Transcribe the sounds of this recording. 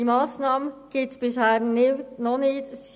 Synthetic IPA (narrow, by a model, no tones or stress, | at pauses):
iːmaːsnaːmənɡ̥eːtsb̥ɪshɛːnnɔnɪt